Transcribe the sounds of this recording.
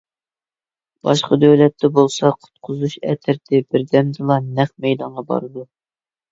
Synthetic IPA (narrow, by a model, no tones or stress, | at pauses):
b̥ɑʃqɑd̪øwlɛt̪ːɛbolˠsɑqʰʊ̥t̪̚qʰʊzuʃɛ̰t̪ʰɪɾt̪ʰɪbɪɾd̪ɛmd̪ɨlˠɑnɛχmɛjd̪ɑɴʁɑbɑ̰ɾɨd̪u